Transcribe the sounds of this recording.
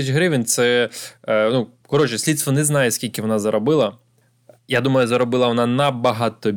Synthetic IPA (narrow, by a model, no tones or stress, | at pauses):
t͡ʃʲɦɾɪʋʲɪnt̪sɛ | nu | kɔɾɔt͡ʃɪsʲlʲit̪st̪ʋɔnɛznɑjɛsʲkʲilʲkʲɪʋɔnɑzɐɾɔbɪlˠɐ | jad̪umɐjʊzɐɾɔbɪlˠɐʋɔnɑnɐbɐɦɑt̪ɔ